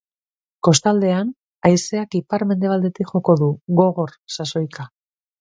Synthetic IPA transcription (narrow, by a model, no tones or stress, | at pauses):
ko̞st̪ald̪e̞an | ajseakipaɾme̞nd̪eald̪e̞t̪ikʝo̞ko̞ðuɣo̞ɣo̞ɾsaso̞jka